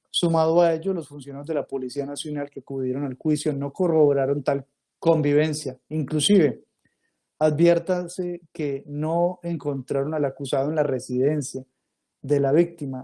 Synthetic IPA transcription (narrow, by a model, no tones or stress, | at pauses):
sumaðoae̞ʝolo̞sfunsjonajo̞zd̪elapo̞lisianasjo̞nalkeakuðje̞ɾo̞nalxwisjo̞no̞ko̞ro̞βoɾaɾo̞nt̪al | ko̞mbiβ̞e̞nsjaiŋklusiβe̞ | aðbje̞ɾt̪aseke̞no̞eŋko̞nt̪ɾaɾo̞nalakusaðoe̞nlare̞sið̞e̞nsja | ðe̞laβik̚t̪ima